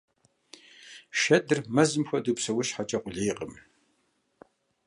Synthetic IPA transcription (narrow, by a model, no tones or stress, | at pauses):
ʃɐdɨrmɐzɨmxʷɐdɨpsɐwɐʃħat͡ʃʼɐqʷʼʊɮeːqʼəm